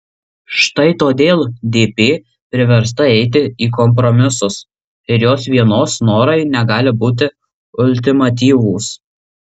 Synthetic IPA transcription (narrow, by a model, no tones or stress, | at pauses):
ʃt̪ɐɪt̪oːd̪ʲeːlˠd̪ʲeːpʲeː | pʲɾʲɪʋʲɛɾs̬t̪ɐɛɪt̪̬ʲɪiːkɔmp̬ɾɔmʲɪsʊs | ɪɾjoːsʋʲiɛnoːsnoːɾɐɪnʲɛɡɑːlʲɪbuːt̪ʲɪ | ʊlʲt̪ʲɪmɐt̪ʲiːʋuːs